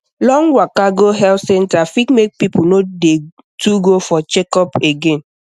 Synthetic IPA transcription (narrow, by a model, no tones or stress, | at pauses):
lɔ̃ŋwakaɡoɦɛltsɛ̃ntafikmek̚pipunode | tʰuɡofɔt͡ʃekɔpeɡẽn